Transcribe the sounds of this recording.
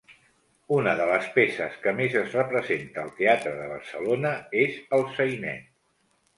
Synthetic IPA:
unəðələspesəskəmezəzrəpɾəzent̪əːlˠt̪eat̪ɾəðəβərsəlonəezəlˠsəjnɛ̰

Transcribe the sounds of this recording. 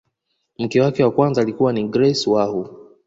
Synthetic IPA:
m̩kɛwakɛwakwanzaːlikuwaniɡɾɛswahu

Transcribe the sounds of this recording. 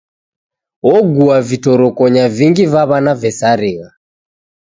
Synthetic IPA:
ɔɡuavitɔɾɔkɔɲaviŋɡivaβanavɛsaɾiɣa

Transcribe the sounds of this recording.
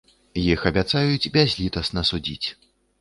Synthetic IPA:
jixɐbʲat̪sajut͡sʲbʲazʲlʲit̪ɐsnɐsud͡zʲḭt͡sʲ

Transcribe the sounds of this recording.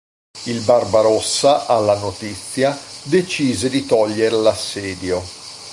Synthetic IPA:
ilbarbaɾosːaʔalːanot̪it̪sːjad̪et͡ʃiːzed̪it̪ɔʎːeɾelasːɛːd̪jo

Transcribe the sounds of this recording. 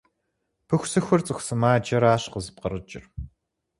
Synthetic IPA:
pʰɨxʷsɨxʷʊrt͡sʼɨxʷsɨmaːd͡ʒɐɾaːɕqəzɨp̚qərət͡ʃʼɪ̰r

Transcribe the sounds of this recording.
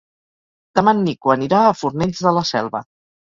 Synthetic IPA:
d̪̥əmanːikuəniɾaːfuɾnɛʎzðələsɛ̰lˠβə̰

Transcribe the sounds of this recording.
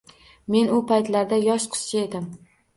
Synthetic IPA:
me̞nʊpʰajt̪laɾd̪ajɒʃqʰɨ̥st͡ʃʰae̞d̪ɪm

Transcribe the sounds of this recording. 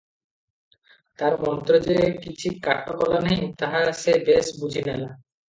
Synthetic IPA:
t̪aɾmɔnt̪ɾod͡ʑeekit͡ɕʰikaʈʰːokɔlanejt̪aɦaʃebesbud͡ʑʱinɛla

